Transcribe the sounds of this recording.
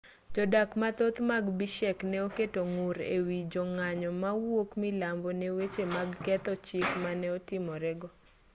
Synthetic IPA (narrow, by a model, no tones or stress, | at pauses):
d͡ʒɔdakmat̪ot̪maɡbiʃɛknɛoketoŋuɾḛwid͡ʒɔŋaɲɔmawokmilambonɛwet͡ʃemaɡkɛt̪ɔt͡ʃɪkmanɛɔtɪmɔɾɛɡɔ